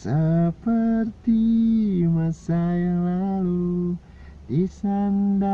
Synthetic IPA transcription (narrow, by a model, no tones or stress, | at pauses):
səpərt̪i | masajaŋlalu | disanda